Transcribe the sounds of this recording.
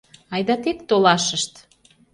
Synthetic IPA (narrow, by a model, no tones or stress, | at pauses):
ɑjd̪ɑt̪et̪ːolɑʃəʃt̪